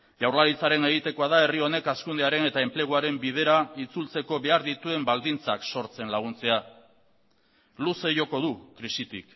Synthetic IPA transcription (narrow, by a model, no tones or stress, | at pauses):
ʝawɾlalit͡saɾe̞ne̞ɣ̞it̪e̞ko̞aðae̞rio̞ne̞kaskund̪eaɾe̞ne̞t̪ae̞mple̞ɣ̞uaɾe̞mbið̞e̞ɾait͡sult͡se̞ko̞βe̞aɾðit̪ue̞mbald̪int͡sakso̞ɾt͡se̞nlaɣ̞unt͡se̞a | luse̞ʝo̞ko̞ðukɾisit̪ḭk